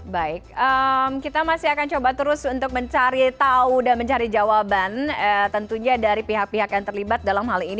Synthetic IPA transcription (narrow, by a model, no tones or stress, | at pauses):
baɪk̚əmkit̪amasiakant͡ʃobat̪əɾʊsunt̪ʊk̚məɲt͡ʃaɾit̪audanməɲt͡ʃaɾid͡ʒawabanət̪ənt̪uɲadaɾipiɦak̚piɦakjaŋt̪ərlibat̪̚dalamɦalin